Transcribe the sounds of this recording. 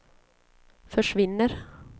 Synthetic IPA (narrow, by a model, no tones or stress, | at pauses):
fœʂʋɪnːəɾ